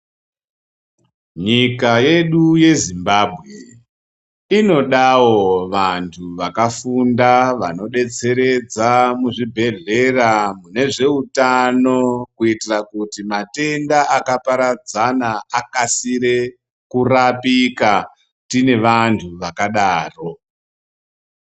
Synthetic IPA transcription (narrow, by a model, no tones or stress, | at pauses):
ɲikaje̞ɗuje̞zimbaːbʱɣe̞ | ino̞ɗawo̞ʋantʰuʋakafundaʋa̰no̞ɗe̞t͡se̞ɾe̞d͡zamuʐibʱe̞ɮe̞ramune̞ʐe̞utano̞kuitirakutimate̞ndaʔakapaɾad͡zanaːkasiɾe̞ | kurapika | tine̞ʋantʰuʋakaɗaːro̞